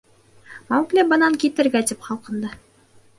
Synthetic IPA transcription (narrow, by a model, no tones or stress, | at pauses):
mɑwklɘbɤ̆nɑŋkit̪ɘ̆ɾɡæt̪ipχɑlˠqɤ̆nd̪ɤ